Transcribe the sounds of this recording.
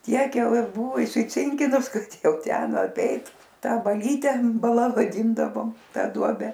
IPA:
ˈtʲiɛk ˈjɛʊ ˈjɪ ˈbʊʋʊ ɪsʲɪˈt͡sʲɪŋʲkʲɪnʊs ˈkɐt ˈjɛʊ ˈtʲɛn ɐˈpʲɛɪt ˈtɑː bɐˈlʲiːtʲɛ bɐˈlˠɐ ʋɐˈdʲiːndɐʋoːm ˈtɑː ˈduɔbʲɛ

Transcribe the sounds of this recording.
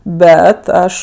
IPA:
ˈbʲɛt ˈɐʃ

